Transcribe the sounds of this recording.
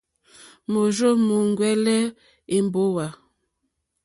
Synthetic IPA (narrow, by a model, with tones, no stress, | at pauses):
mo˨ʒo˦mo˨ŋɡwɛ˦lɛ˦ | e˨m˨bo˦wa˨